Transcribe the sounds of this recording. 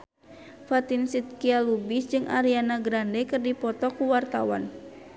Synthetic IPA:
fat̪insit̪̚kialubisd͡ʒɨŋʔa̰ɾianaɡɾandɛkɨrdipɔt̪ɔkuwart̪awa̰n

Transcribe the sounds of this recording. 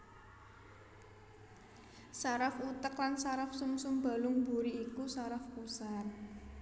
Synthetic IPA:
saɾafut̪əklansaɾafsumsumba̤lʊŋbuɾiːkusaɾafkusar

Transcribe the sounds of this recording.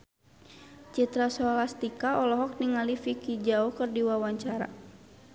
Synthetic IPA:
t͡ʃit̪ɾasɔlast̪ikaʔɔlɔɦɔk̚niŋalifikid͡ʒaɔkɨrdiwawaɲt͡ʃaɾa̰

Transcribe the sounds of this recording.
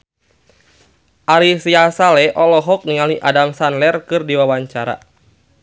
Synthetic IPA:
ʔaɾisiasalɛʔɔlɔɦɔk̚niŋaliʔadamsanlɛrkɨrdiwawaɲt͡ʃaɾa̰

